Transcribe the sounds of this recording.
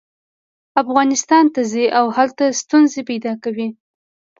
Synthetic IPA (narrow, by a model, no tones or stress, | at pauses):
afɣɑnɪst̪ɑnt̪aziʔawhalt̪ast̪unzepajd̪ɑkawi